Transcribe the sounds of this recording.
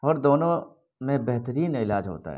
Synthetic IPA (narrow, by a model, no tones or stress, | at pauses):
ɔːɾd̪oːnõ | mẽbɛɦt̪əɾiːnɪlaːd͡ʒɦo̰ːt̪a̰ɦɛ̰